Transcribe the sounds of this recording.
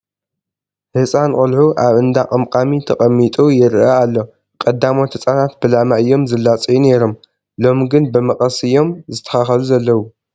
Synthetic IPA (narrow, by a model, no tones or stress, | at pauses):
hɨsʼankʼʊlħuʔaβɨnd̪aqʼɐmqʼamit̪ʰɐχʼɐmːit̪ʼujɪɾɨaalːo̞ | kʼɐd̪amo̞t̪hɨsʼanat̪̚bɨlamaʔɨjːo̞mzɨlːat͡sʼijune̞ɾo̞m | lo̞mɡɨnbɨmɐqʼɐsɨjːo̞mzɨt̪ʰːɐ̥xaxɐluzɐlːɐwu